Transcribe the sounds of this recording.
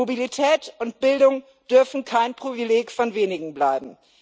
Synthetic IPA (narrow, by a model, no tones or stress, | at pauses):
obilitʰɛːtʊnt̚b̥ɪldʊŋ | d̥ʏɐfn̩kʰaɪnpʁ̥ivileːkfɔnveːnɪɡŋ̩blaɪbm̩